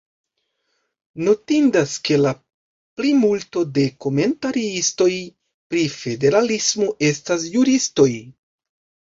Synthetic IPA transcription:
no̞tindaske̞la | plimulto̞de̞ko̞me̞ntaɾiisto̞j | pɾife̞deɾalismo̞ʔe̞stasjuɾisto̞j

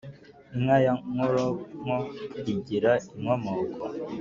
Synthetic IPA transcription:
iŋajaŋoɾoŋɔiɡiɾaiŋwamakɔ

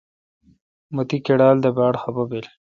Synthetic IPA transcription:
mut̪ikeɽɑːld̪əbɑːɽxabɐbel

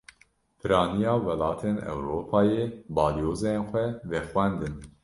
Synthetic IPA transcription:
pʰɨɾɑːnijɑːwɛlɑːt̪ʰeːnɛ̰wɾoːpʰɑːjeːbɑːlijoːzenxʷɛvɛxwɛnd̪ɨn

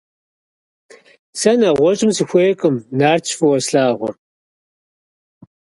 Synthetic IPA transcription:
sɐnɐʁʷɔt͡ʃʼɪmsɨxʷeːkʼɨmnaːrt͡ʃʰfɨwɐsɬaːʁʷʊ̰r

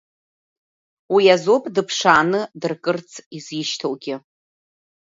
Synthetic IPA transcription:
wiazopʼdɨpʰʂaːnɨdɨrkʼɨrt͡sʰiziʃtʰowɡʲɪ

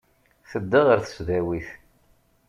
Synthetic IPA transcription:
θəd̪ːəʁəɾθə̥sðæwiθ

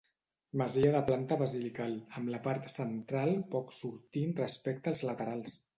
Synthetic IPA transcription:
məziəðəplant̪əβəzilikaləmləpaɾt̪sənt̪ɾalˠpɔksuɾt̪inrəspɛkt̪əːlˠzlət̪əɾalˠs

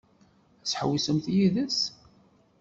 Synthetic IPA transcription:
æsħəwisəmθjiðəs

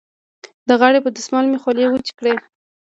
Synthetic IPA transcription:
d̪əɣaɽepəd̪ʊsmɑlmexolewət͡ʃi̥kɽe

